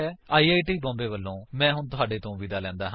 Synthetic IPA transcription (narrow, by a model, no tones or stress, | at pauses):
ɛːaːiːaːiːʈiːbɔ̃ːmbeːʋəlːõːmɛ̃ːɦʊɳt̪ʊɦaːɖeːt̪õːʋɪd̪aːlɛ̃ːnd̪aːɦ